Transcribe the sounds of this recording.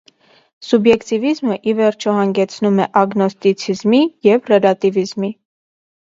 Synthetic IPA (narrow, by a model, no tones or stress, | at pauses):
subjɛkt̪ivizməʔivɛɾt͡ʃʰɔhɑŋɡɛt͡sʰnumɛʔɑɡnɔst̪it͡sʰizmijɛvrɛlɑt̪ivizmi